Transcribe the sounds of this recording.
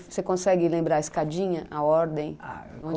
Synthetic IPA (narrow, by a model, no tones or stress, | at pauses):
sekõsɛɡɪlẽmbɾaɾɐiskad͡ʒĩɲɐʔaɔɾd̪ẽj̃aõd͡ʒ